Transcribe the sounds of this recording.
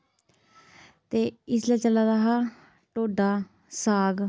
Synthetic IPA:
t̪eːɪslat͡ʃəlaːɾaːɦaː | ʈoːɖaː | saːɡ

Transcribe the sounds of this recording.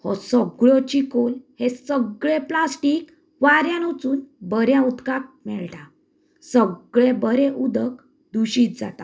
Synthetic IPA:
hɔ̰səɡɭɔt͡ɕikolhesəɡɭeplasʈiːk | ʋaɾjãnut͡suːnbəɾjãud̪kak̚mɛɭʈa | səɡɭebəɾeʔud̪ək | d̪uɕiːt̪̚d͡za̰t̪a

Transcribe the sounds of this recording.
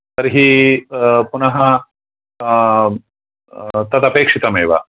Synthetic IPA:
sɐɾɦi | punɐɦɐ | t̪ɐt̪ɐpeːkʂit̪ɐmeːʋɐ̰

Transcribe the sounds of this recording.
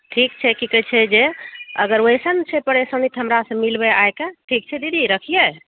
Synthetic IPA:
ʈʰikt͡ʃʰɛkikət͡ʃʰɛd͡ʒeə̰ɡəɾwjsənt͡ʃʰɛpəɽesənit̪ɦəmɾasə̃milbeajkeʈʰik̚t͡ʃʰɛd̪id̪iɾəkʰije

